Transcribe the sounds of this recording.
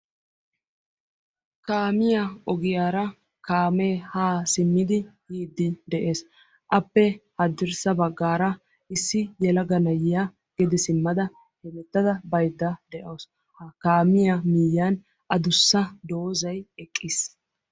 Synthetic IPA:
kaːmɪjaɔɡɪjaːɾɐ | kaːme̞ːhaːsɪmːɪd̪ɪhiːd̪ːɪd̪ɛʔe̞ːs | ʔɐpːɛhɐd̪ːɪɾsɐbɐɡːaːɾɐ | ɪsːɪjɛlɐɡɐnɐjɪja | ɡ̥ɛd̪ɪsɪmːɐd̪ɐ | hɛmɛt̪ːɐd̪ɐbɐjd̪ːɐd̪ɛʔoːs | kaːmɪjamɪjaːn | ɐd̪ʊsːɐd̪o̞ːzɐjɛkʼːɪs

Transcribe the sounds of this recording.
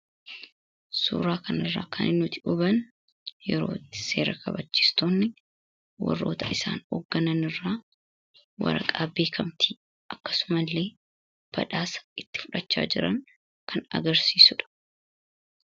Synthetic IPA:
sṵːɾaːkɐnɪrːa̰ːkʰɐnʔɪnːʊt̪ɪʔʊbɐn | jɛɾo̞̰ːt̪ːɪ̥se̞ːɾɐkʰɐbɐt͡ʃːɪ̥st̪oːnːɪ | wɐ̰rːo̞̰ːt̪ʰɐʔɪsa̰ːnɔ̰ɡːɐnɐnɪrːaː | wɐ̰ɾɐ̰kʼaːbe̞ːkʰɐmt̪ʰi | ʔɐkːɐ̥sʊmɐlːe̞ː | b̥ɐ̰ᶑaːsɐ̥ɪt̪ːɪ̥fʊᶑɐt͡ʃːa̰ːd͡ʒɪɾɐ̰ŋ | kʰɐnɐ̰ɡɐɾsiːsʊᶑɐ̥

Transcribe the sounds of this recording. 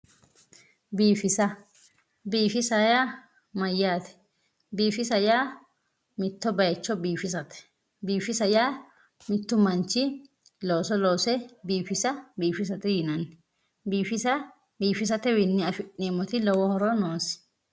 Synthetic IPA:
biːfɪsɐ | biːfɪsɐjaː | mɐjːaːt̪ɛ̥ | biːfɪsɐjaː | mɪt̪ːɔbɐjt͡ʃːɔbiːfɪs̬ɐt̪ɛ̥ | biːfɪsɐjaː | mɪt̪ːʊmɐnt͡ʃːɪ | loːsɔloːsɛbiːfɪsɐbiːfɪs̬ɐt̪ɛjɪnɐnɛ | biːfɪsɐ | biːfɪs̬ɐt̪ɛwɪnːɪɐfɪʔiːmɔt̪ɪlɔwɔhɔɾɔnoːs

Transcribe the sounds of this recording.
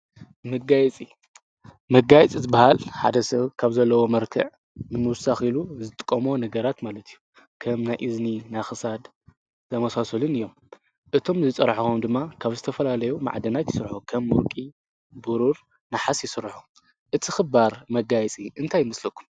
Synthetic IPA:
mɐɡajɛt͡sʼi | mɐɡajɛt͡sʼizɨbahalħa̰d̪ɐsɐβkʰaβzɐlːɐwo̞mɐɾkʰɐ̰ʕ | nɨmɨwsaxiluzɨt̪ʼɨ̥kʼːɐmo̞nɐɡɐɾat̪malɐt̪ʰijːu | kʰɐmnajʔɨzninajxɨsad̪ | zʰɐmɐsasɐlɨnɨjːo̞m | ʔɨt̪ʰo̞mzɨt͡sʼɐɾħxumd̪ɨmːakʰaβzɨt̪ʰɐfɐlalɐjuma̰ʕd̪ɐnat̪jɪsɨɾħukʰɐmːuɾkʼi | buɾuɾ | naħasjɪsɨɾħu | ʔɨt̪ʰixɨbaɾmɐɡajɛt͡sʼiʔɨnt̪ʰajːɪmɐslɐkʰːu̥m

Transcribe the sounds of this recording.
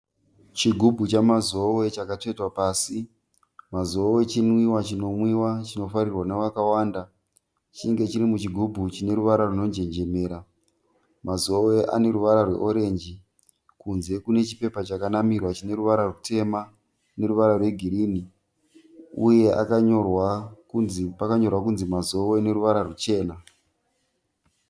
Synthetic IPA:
t͡ʃiɡʱubʱut͡ʃamazo̞we̞t͡ʃakate̞twapaːsi | mazowe̞t͡ʃinwiwat͡ʃino̞mwiwat͡ʃino̞faɾirwanaʋakawaːnda | t͡ʃiŋɡe̞t͡ʃiɾimut͡ʃiɡʱubʱut͡ʃine̞ɾuʋaɾaruno̞ɲd͡ʒe̞ɲd͡ʒe̞me̞ːɾa | mazo̞we̞ʔa̰ne̞ɾuʋaɾarwe̞̰ʔo̞ɾe̞nd͡ʒi | kunze̞kune̞t͡ʃi̥pe̞pat͡ʃakanamirwat͡ʃine̞ruʋaɾarutʰe̞ma | ne̞ɾuʋaɾarwe̞ɡʱiɾini | uje̞ʔa̰kaɲorwakupakaɲo̞rwakunzimazo̞wene̞ɾuʋaɾarut͡ʃe̞ːna

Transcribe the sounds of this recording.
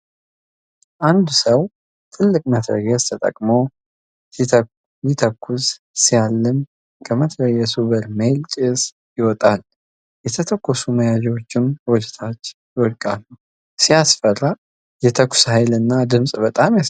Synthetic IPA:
ʔand̪usəw | t̪ʰɨlːɨkʼmət̪ʰɾə̰ɡɛst̪ʰət̪ʼə̰kʼmo̞ | jɪt̪ʰəkʰːus | sijalːɨm | kʰəmət̪ʰɾəɡɛsuβəɾmejlt͡ʃʼɪs | jɪwɔt̪ʼal | jɛt̪ʰət̪ʰəkːɔsuməjad͡ʒɛwot͡ʃːɪmwɔd͡ʒɛt̪ʰat͡ʃːjwɔlkʼalːu | sijasfərːa | jɛt̪ʰəkʷːʊ̥shajlɨnːad̪ɨmsʼbət̪ʼamja

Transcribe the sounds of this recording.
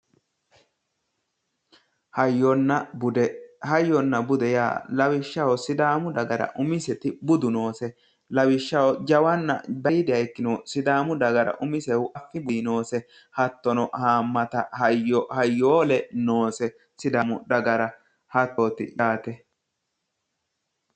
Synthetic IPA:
hɐjːɔnːɐbʊd̪ɛhɐjːɔnːɐbʊd̪ɛja̰ːlɐwɪʃːɐwɔsɪd̪aːmʊd̪ɐɡɐɾɐ̰ʔʊmɪsɛt̪ɪbʊd̪ʊno̞ːsɛ | lɐwɪʃːɐwɔd͡ʒɐwɐnːɐ̰b̪ɐjɪd̪ɛjɐjkːɪnɔsɪd̪aːmʊd̪ɐɡɐɾɐ̰ʔʊmɪsɛwʊʔɐfːɪbʊnoːsɛ | hɐt̪ːɔnɔhaːmːɐt̪ɐhɐjːɔhɐjːoːlɛnoːsɛ | sɪd̪aːmʊd̪ɐɡɐɾɐ | hɐt̪oːt̪ɪ̰ᶑaːt̪ɛ

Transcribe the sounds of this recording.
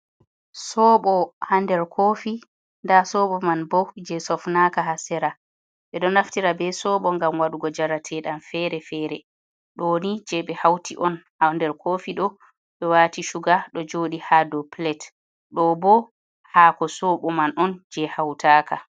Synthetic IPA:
sɔːɓɔhandɛɾkʰoːfi | ndasɔɓɔmanbɔd͡ʒɛsɔfnakaɦasɛɾa | ɓɛɗɔnaftiɾabɛsɔɓɔŋɡamwaɗuɡɔd͡ʒaɾatʰɛɗamfɛɾɛfɛːɾɛ | ɗoːnid͡ʒɛɓɛhawtʰiʔɔnhandɛɾkʰofiɗɔ | ɗɔwaːtiʃuɡaɗɔd͡ʒoːɗihadɔplɛt | ɗɔbɔ | haːkɔsɔɓɔmanʔɔnd͡ʒɛhawtaːkʰa

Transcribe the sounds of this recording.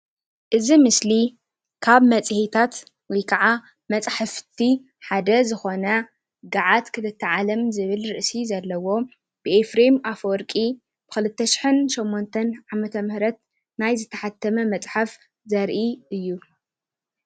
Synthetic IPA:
ʔɨzimɨsli | kʰaβmɐt͡sʼhet̪ʰat̪ | wɔjkʰɐʕa | mɐt͡sʼħɨft̪ʰi | ħad̪ɐzɨxo̞nɐ | ɡaʕat̪kʰɨt̪ɨt̪ʰːɐʕalɐmzɨβɨlɾɨʔsizɐlːɐwo̞ | b̥ɨefɾemafoɾkʼi | b̥ɨxɨlɨt̪ʰːɐʃɪ̥ħɨnʃomːont̪ʰɐnʕamɐt̪ʰɐmɨhɾɐt̪ | najzɨt̪ʰːɐ̥ħat̪ʰːɐmɐmɐt͡sʼħaf | zɐɾʔiʔɨjːu

